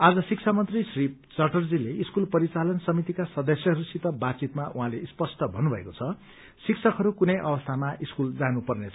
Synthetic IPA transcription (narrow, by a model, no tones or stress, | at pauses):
ad͡zʌsik̚t͡sʰamʌnt̪risrit͡sʌʈʌrd͡zileʔiskulpʌɾit͡salʌnsʌmit̪ikasʌd̪ʌsjʌɦʌɾusit̪ʌbatt͡sit̪maʔuɦãleispʌsʈ̪ʌbʱʌnːubʱʌekot͡sʰʌ | siksʰʌkɦʌɾukunʌjʔʌbʌst̪ʰamaiskuld͡zanupʌrnet͡sʰ